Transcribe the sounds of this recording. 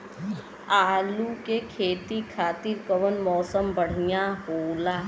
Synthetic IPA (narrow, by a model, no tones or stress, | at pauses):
aːlukekʰeːt̪ikʰaːt̪iɾkəʋənmɔːsəmbəɽ̤ijaɦoːlaː